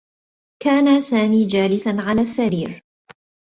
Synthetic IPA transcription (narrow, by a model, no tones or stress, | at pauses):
kaːnasaːmiːd͡ʒaːlɪsanʕalaːsːaɾiːɾ